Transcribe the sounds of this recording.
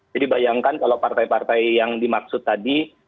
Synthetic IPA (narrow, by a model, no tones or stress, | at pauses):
d͡ʒadibajaŋkankalawpart̪ajpart̪ajːaŋdimak̚sʊt̪ːadi